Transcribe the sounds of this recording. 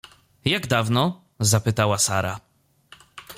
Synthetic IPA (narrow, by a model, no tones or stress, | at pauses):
jaɡd̪avnɔ | zapɘt̪awasaɾa̰